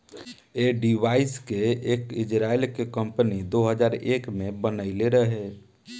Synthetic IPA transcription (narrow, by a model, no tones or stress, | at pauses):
eɖiʋaːɪskeeːkɪd͡ʒɾaːilkekə̃mpənid̪oɦəd͡ʒaːɾeːkmẽbənəɪleɾəɦe